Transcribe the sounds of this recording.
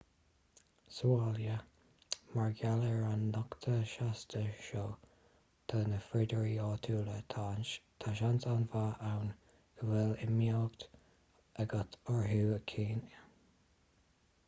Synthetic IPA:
saljə | maɹɡaləɹanːɔkt̪ʰəʃast̪ʰəʃoː | t̪ʰoːnəfɾɪd̪əɹiɔːt̪ʰuːlət̪ʰanʃt̪ʰaʃantanvaʔawn | əwɛlɪmilɡt̪ | ʔəɡat̪ɔɹɦuːəkʰiːn

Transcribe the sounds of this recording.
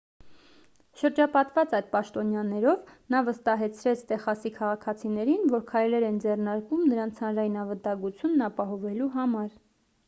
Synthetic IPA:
ʃəɾd͡ʒɑpɑt̪vɑt͡sɑjd̪pɑʃt̪ɔnjɑnɛɾɔvnɑvəst̪ɑɦɛt͡sʰɾɛt͡sʰt̪ɛχɑsikʰɑʁɑkʰɑt͡sʰinɛɾinvɔɾkʰɑjlɛɾɛnd͡zɛrnɑɾkumnəɾɑnt͡sʰhɑnɾɑjinɑvət̪ɑŋɡut͡sʰjunːɑpɑɦɔvɛluɦɑmɑɾ

